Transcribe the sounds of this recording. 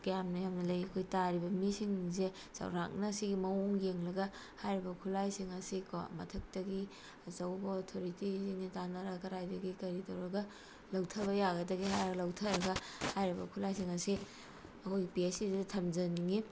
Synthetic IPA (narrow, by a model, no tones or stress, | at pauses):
kjamnɐjamnɐlɐjɐkʰojtaɾibɐmisiŋze | sɐ̰wɾa̰k̚nɐsiɡimɐoŋɡeŋlɐɡɐ | hajɾibɐkʰulajsiŋɐsiko̰mɐ̰tʰɐk̚tɐɡi | ɐzɐwbɐotʰoɾitisiŋnitanɐɾɐkɐɾajdɐɡikɐɾitɐwɾɐɡɐ | lɐwtʰɐbɐjaɡɐdɐɡiɦajɐɡɐlɐwtʰɐɾɐɡɐhajɾibɐkʰulajsiŋɐsi | ɐkʰojɡipiesiddɐtʰɐmd͡ʒɐniŋi